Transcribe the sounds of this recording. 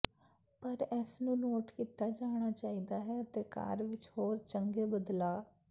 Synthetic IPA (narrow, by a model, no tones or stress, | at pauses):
pəɾɛːsnũːnoːʈkiːt̪aːd͡ʒaːɽ̃aːt͡ʃaːiːd̪aːɦɛːət̪eːka̰ːɾʋɪt͡ʃhoːɾt͡ʃəŋɡeːbəd̪laː